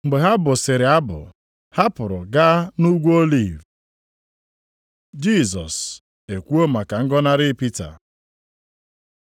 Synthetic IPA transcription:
ŋ͡m̩˨ɡ͡be˨ɦa˦bʊ˨sɪ˨ɾɪ˨a˦bʊ̰˨ | ha˦pʊ˨ɾʊ˨ɡa˦nu˦ɡʷo˦li˦˨v | d͡ʒi˦˨zɔ̰˨s | e˨kʷu˦o˦ma˨ka˨ŋ̩˦ɡɔ˦na˦ɾɪ˦pi˦ta̰˨

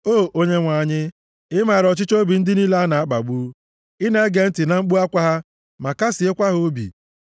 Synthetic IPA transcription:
o˦˨ʔo˦ɲe˦ŋʷa˨ɲɪ˦ | ɪ˦ma˨ɾɔ˨t͡ʃɪ˦t͡ʃo˦bi˨n̩˦dɪ˦ni˦la˦a˦na˨a˦k͡pa̰˨ɡ͡bu˦ | ɪ˦ne˦ɡe˨n̩˦tɪ˨na˨ŋ͡m̩˦k͡pu˦a˦kʷa˦ɦa˦ | ma˨ka˦sɪ˨e˦kʷa˦ɦo˦bḭ˨

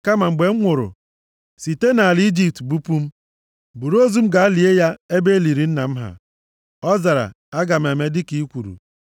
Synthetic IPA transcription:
ka˦ma˨ŋ͡m̩˨ɡ͡be˨ŋ͡m̩˦ŋʷʊ˨ɾʊ̰˨ | si˨te˦na˨a˨ld͡ʒi˦p̚tbu˦pu˦m̩˦ | bu˨ɾo˦zu˦m̩˦ɡa˨˦li˨e˦ja˦e˦be˦li˨ɾi˨n̩˦na˨m̩˦ɦa̰˨ | ɔ˦za˨ɾa̰˨ | a˦ɡa˨m̩˨e˨me˦dɪ˦ki˨˦kʷu˨ɾṵ˨

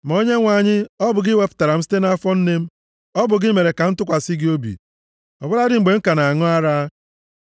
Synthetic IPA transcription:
ma˨o˦ɲe˦ŋʷa˨ɲɪ˦ɔ˦bʊ˨ɡɪ˦we˨pʊ̥˨ta˨ɾa˨m̩˦si̥˦te˦na˦a˦fɔ˦n̩˦ne˦m̩˦ | ɔ˦bʊ˨ɡɪ˦me˨ɾe˨ka˨n̩˦tʊ˦kʷa˨si˦ɡɪ˦o˦bḭ˨ | ɔ˨bʊ˦ɾa˦dɪ˦ŋ͡m̩˨ɡ͡be˨ŋ̩˦ka˨na˨ŋʊ˦a˦ɾaː˦

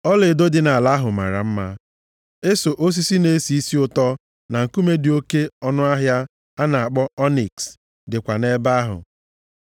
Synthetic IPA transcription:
ɔ˦lɪ˨do˦dɪ˨na˨la˦ɦʊ˨ma̰˨ɾa̰˨m̩˦ma˦ | e˦so˨ʔo˦s̬i˦si˦ne˦si˨˦i˦si˦ʊ˦tɔ˦ | na˨ŋ̩˨ku˦me˦dɪ˨o˦ke˦ɔ˦nʊ˦a˦ɦja˦ | a˦na˨a˨k͡pɔ˦ɔ˦ni˨ks | dɪ˨kʷa˨ne˦ba˦ɦʊ̰˨

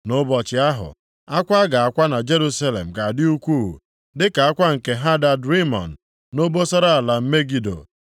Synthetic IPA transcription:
nʊ˦bɔ˨t͡ʃɪ˨˦a˦ɦʊ̰˨ | a˦kʷa˦ɡa˨a˨kʷa˦na˨d͡ʒe˦ɾu˦sa˦lḛ˨m̩˨ka˨dɪ˦u˦kʷuː˦˨ṵ˨ | dɪ˦ka˨a˦kʷa˦ŋ̩˨ke˨ɦa˦da˨dɾi˦mɔ̰˨n̩˨ | no˦bo˦sɔ˦ɾa˦a˨la˨m̩˦me˦ɡi˨do̰˨

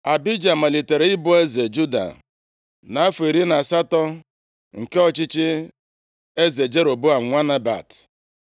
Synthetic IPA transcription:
a˨bi˦d͡ʒa˨ma˨li˨te˨ɾe˨˦ɪ˦bʊ˦e˦ze˨d͡ʒu˦da̰˨ | na˨a˦fʊ˨i˨ɾi˦na˨sa˦tɔ˦ | ŋ̩˨ke˦ɔ˦t͡ʃɪ˦t͡ʃɪ˦ | e˦ze˨d͡ʒe˦ɾo˨bu˦a˨ŋʷa˦na˦ba̰˨t

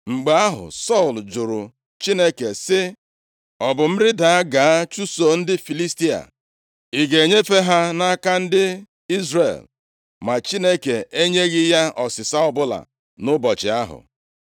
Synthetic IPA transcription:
ŋ͡m̩˨ɡ͡ba˨˦a˦ɦʊ̰˨sɔ˦˨ld͡ʒʊ˨ɾʊ˨ | t͡ʃi˦ne˦ke˨sɪ˦ | ɔ˨bʊ˨m̩˦ɾɪ˦da˨a˦ɡa˨a˦t͡ʃu˦so˨n̩˦dɪ˦fi˨li˦sti˦a̰˨ | i˨ɡe˨ɲe˦fe˦ɦa˦na˦ka˦n̩˦dɪ˦ | i˦zrḛ˨l | ma˨t͡ʃi˦ne˦ke˨ʔe˦ɲe˦ɣɪ˦ja˦ɔ˨sɪ˨sa˦ɔ˦bʊ˦la̰˨ | nʊ˦bɔ˨t͡ʃɪ̰˨a˦ɦʊ̰˨

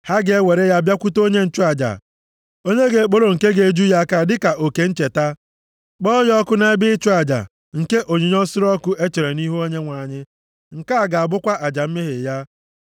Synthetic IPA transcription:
ha˦ɡe˦we˨ɾe˦ja˦˨bja˦kʷu˦to˦ɲe˦n̩˦˨t͡ʃʊ˦a˨d͡ʒa̰˨ | o˦ɲe˦ɡe˨k͡po˦ɾo˨ŋ̩˨ke˦ɡe˨d͡ʒu˦ja˦ka˦dɪ˦ka˨ʔo˨ke˨n̩˦t͡ʃe˨ta˦ | k͡pɔ˦jɔ˦kʊ˦na˦e˦bɪ˦ɪ˦t͡ʃu˦a˨d͡ʒa̰˨ | ŋ̩˨ke˦ʔo˨ɲi˨ɲ˦ɔ˦sɪ˦ɾɔ˦kʊ˦ʔe˦t͡ʃe˨ɾe˨ni˦ɦu˦o˦ɲe˦ŋʷa˨ɲɪ˦ | ŋ̩˨ka˦a˨ɡa˨a˨bʊ˦kʷa˦ʔa˨d͡ʒa˨m̩˦mɪ˦ɦɪ˨ja˦

